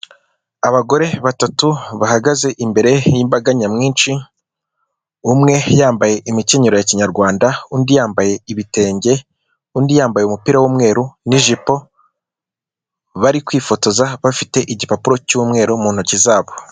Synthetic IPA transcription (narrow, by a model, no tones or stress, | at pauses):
aβaɡo̞ɾe̞βatatuβahaɡaze̞ʔimbe̞ɾe̞jimbaɡaɲamŋiːnt͡ʃi | umŋe̞jaːmbaje̞ʔimiceɲeɾo̞jaciɲaɾɡwaːndaundijaːmbaje̞iβite̞ːɲɟe̞ | undijaːmbajeumupiɾawuːmŋe̞ːɾuniʒipo̞ | βaɾikwiːfo̞to̞zaβafite̞ʔiɟipapuɾo̞cumŋe̞ːɾo̞muːnhucizaːβo